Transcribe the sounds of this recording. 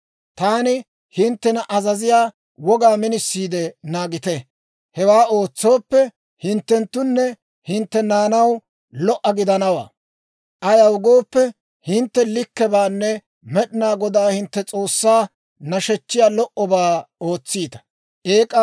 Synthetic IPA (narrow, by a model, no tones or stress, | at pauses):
t̪aːnɪ | hɪnt̪ːɛnɐʔɐzɐzɪjaː | wɔɡaːmɪnɪsːiːd̪ɛnaːɡɪt̪ɛ | hɛwaːoːt͡sːo̞ːpːɛ | hɪnt̪ːɛnt̪ːʊnːɛ | hɪnt̪ːɛnaːnɐw | lɔʔːɐɡɪd̪ɐnɐwa̰ː | ʔɐjɐwɡo̞ːpːɛ | hɪnt̪ːɛlɪkːɛbaːnːɛ | mɛɗɪnaːɡɔd̪aːhɪnt̪ːɛt͡sʼo̞ːsːaː | nɐʃɛt͡ʃːɪjaːlɔʔɔbaːo̞ːt͡sːiːt̪ɐ̥ | ʔeːkʼːɐ